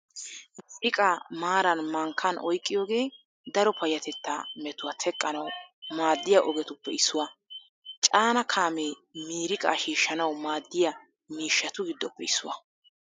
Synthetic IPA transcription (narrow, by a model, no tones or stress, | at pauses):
miɾɪkʼamaːɾɐnmɐŋkʰːɐnʔɔjkʼːɪjo̞ːɡe̞ː | d̪ɐɾɔpʰɐjɐt̪ɛt̪ːɐ̰mɛt̪ʊwɐt̪ʰɛkʼːɐnɐwmaːd̪ːɪjaʔɔɡɛt̪ʊpːɛɪsːʊwɐ | t͡ʃʼaːnɐkʰaːmeː | miːɾɪkʼa̰ʃiːʃːɐnɐwmaːd̪ːɪjɐ | miːʃːɐt̪ʊɡɪd̪ːɔpːɛɪsːʊwɐ